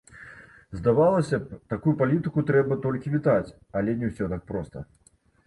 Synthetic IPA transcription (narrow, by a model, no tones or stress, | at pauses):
zd̪avalˠɐsʲɐt̪akujupalʲit̪ɨkut̪ɾɛbɐt̪ɔlʲkʲivʲit̪at͡sʲ | ɐlʲɛnʲɛwsʲɔt̪ak̚pɾɔst̪ɐ̰